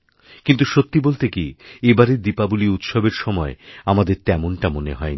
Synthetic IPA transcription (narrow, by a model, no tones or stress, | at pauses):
kint̪uʃot̪ːibolt̪ekiebaɾeɾd̪ipabuliut̪ʃobeɾʃɔmɔeamad̪eɾt̪ɛmoɳʈamoneɦɔe